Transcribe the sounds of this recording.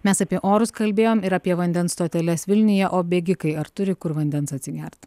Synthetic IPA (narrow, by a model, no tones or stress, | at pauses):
mʲɛsɑpʲiɛʔoːɾʊskɐlʲbʲeːjoːmɪɾɐpʲiɛʋɐnʲd̪ʲɛnst̪oːt̪ʲɛlʲɛsʋʲɪlʲnʲɪjɛʔoːbʲeɡʲɪkɐɪɐɾt̪ʊɾʲɪkʊɾʋɐnʲd̪ʲɛnsɐt̪ʲsʲɪɡʲɛɾʲt̪ʲ